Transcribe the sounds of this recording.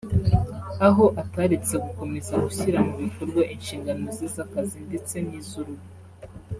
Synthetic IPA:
aɦo̞ʔataɾit͡seɡuko̞me̞zaɡuçiɾamuβiko̞ɾɡwaʔinʃiːŋɡano̞ziːzakazinde̞t͡se̞niːzuɾuβu

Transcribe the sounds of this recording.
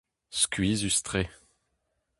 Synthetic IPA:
skʲɥizyst̪χe

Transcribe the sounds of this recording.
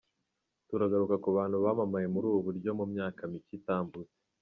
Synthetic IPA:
tuɾaɡaɾukakuβaːn̥huβaːmamaje̞muɾuːβuβuɾɟo̞mumɲaːkamicitaːmbuze

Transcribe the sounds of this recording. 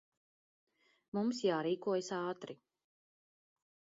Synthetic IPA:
mumsjaːɾiːkuɔjsaːt̪ɾi

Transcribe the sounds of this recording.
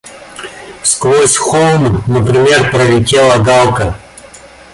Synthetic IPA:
skvosʲxolˠmnəpɾʲɪmʲerpɾəlʲɪtʲelˠəɡalˠkə

